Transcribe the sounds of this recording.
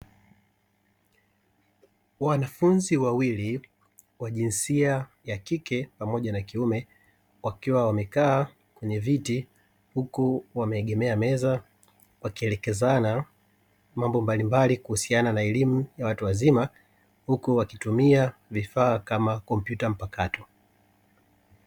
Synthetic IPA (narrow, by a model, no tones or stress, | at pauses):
wanafunziwawili | waʄinsiajakikɛpamɔʄanakiumɛ | wakiwawamɛkaː | kwɛɲɛviti | hukuwamɛːɠɛmɛamɛza | wakiɛlɛkɛzana | mambɔmbalimbalikuhusiananaɛlimujawatuwazima | hukuwakitumiavifaːkamakɔmpjutam̩pakatɔ